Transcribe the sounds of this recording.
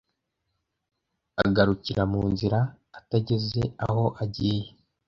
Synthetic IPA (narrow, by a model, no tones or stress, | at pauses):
a̰ɡaɾuciɾamuːnziɾaː | taɟe̞ze̞a̰ho̞ʔaɟije